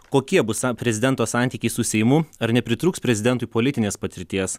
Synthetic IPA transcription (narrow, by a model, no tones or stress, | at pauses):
koːkʲiɛbʊspʲɾʲɛzʲɪd̪ʲɛnt̪oːsɑˑnʲt̪ʲiːkʲɛɪsʊsʲɛɪjmʊɐɾnʲɛpʲɾʲɪt̪ɾuːkspʲɾʲɛzʲɪd̪ʲɛnt̪ʊipoːlʲɪt̪ʲɪnʲeːspɐt̪ʲɪɾʲt̪ʲiɛs